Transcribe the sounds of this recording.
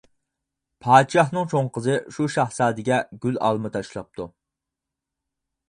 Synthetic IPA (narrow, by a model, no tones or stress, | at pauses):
pʰɑːt̪ʃɑhnɨŋt͡ʃʰoŋqəzɨʃuʃɑhsɑːd̪ɪɡʲɛɡʲylɑ̰lˠmɨt̪ʰɑʃlˠɑp̚t̪ʰu